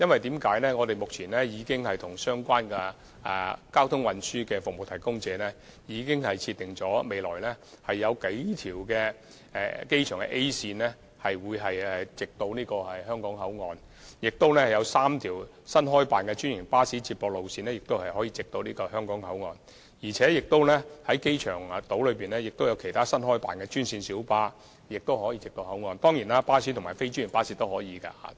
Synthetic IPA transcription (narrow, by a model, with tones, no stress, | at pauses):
jɐ˥nwɐ˨jt̪iː˨˥mkaː˨˥jlɛː˥ŋɔː˨˧t̪e˨jmʊ˨k̚t͡sʰiː˨˩nlɛː˥jiː˨˧kɪ˥ŋhɐ˨jt̪ʰʊ˨˩ŋsœː˥ŋkʷaː˥nkɛ˧ | ɛ̰˨˧kaː˥wt̪ʰʊ˥ŋwɐ˨nsyː˥kɛː˧fʊ˨k̚mo˨˩wt̪ʰɐ˨˩jkʊ˥ŋt͡sɛː˨˧nɛː˥ | jiː˨˧kɪ˥ŋhɐ˨jt͡sʰiː˧t̪ɪ˨ŋt͡sɔː˨˥me˨˧jlɔː˨˩jlɛː˥ | hɐ˨jːɐ˨˧wke˨˥jt̪ʰiː˨˩wkɛː˧ | ɛ˨ke˥jt͡ʃʰœː˨˩ŋkɛ̰˧ʔe˥jsiː˧nlɛ˥ | hɐ˨jwuː˨˧jɦɐ˨jɛ˧t͡sɪ˨k̚t̪o˧wniː˥kɔː˧hɐ˨jɦœː˥ŋkɔː˨˥ŋɦɐ˨˥wŋɔː˨˧n | jɪ˨k̚t̪o˥wlɛː˥hɐ˨˩jɐ˨˧wsaː˥mt̪ʰiː˨˩w | sɐ˥nɦɔː˥jpaː˨nkɛ˧t͡ʃyː˥njɪ˨˩ŋpaː˥siː˨˥t͡siː˧t̚pːɔː˧k̚lo˨wsiː˧nɛː˥jɪ˨k̚t̪o˥whɐ˨jhɔ˨˥jiː˧t͡sɪ˨k̚t̪o˧wniː˥kɔː˧ɦœː˥ŋkɔː˨˥ŋhɐ˨˥wŋɔː˨˧n | jiː˨˩t͡sʰɛː˨˥jɪ˨k̚t̪o˥wlɛː˥hɐ˨˥jke˥jt͡ʃʰœː˨˩ŋ˨t̪o˨˥wlɵ˨˧ɥpiː˨nɛː˥jɪ˨k̚t̪o˥wjɐ˨˧wkʰe˨˩jt̪ʰaː˥sɐ˥nɦɔː˥jpa̰ː˨nkɛː˧t͡ʃyː˥nsiː˧nsiː˨˥wpaː˥ | jɪ˨k̚t̪o˥whɔː˨˥jiː˧t͡sɪ˨k̚t̪o˧whɐ˨˥wŋɔː˨˧nt̪ɔː˥ŋjiː˨˩naː˥paː˥si˨˥t̪ʰmaː˨˩fe˥jt͡ʃyː˥njɪ˨˩ŋpaː˥siː˧˥t̪o˥whɔː˨˥jiː˨˧ka̰˧a̰˧˥